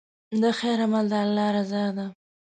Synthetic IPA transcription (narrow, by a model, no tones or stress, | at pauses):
d̪əxajɾamald̪aalːɑɾazɑd̪a